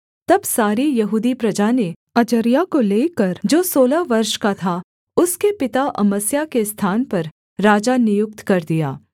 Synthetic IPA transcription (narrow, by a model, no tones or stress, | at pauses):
t̪ɐbsaːɾijɐɦuːd̪ipɾɐd͡ʒane | ɐd͡ʒəɾjakoleːkɐɾd͡ʒoːsoːlaʋɐɾʃkat̪ʰa | ʊskepɪt̪aʔɐməsjakest̪ʰaːnpɐɾː | aːd͡ʒanɪjʊk̚t̪kɐɾd̪ija̰ː